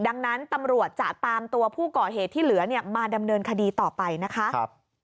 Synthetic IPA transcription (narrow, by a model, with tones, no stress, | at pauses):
da˧ŋna˦˥nt̪a˧mɾu˨˩ət̪̚t͡ɕa˨˩ʔt̪aː˧mt̪u˧ɐpʰuː˥˩kɔː˨˩ɦeː˨˩t̪ʰːiː˥˩lɯ˩˦ɐni˥˩ɐmaː˧da˧mnɤː˧nkʰa˧diː˧t̪ɔː˨˩pa˧jna˦˥kʰa˦˥˦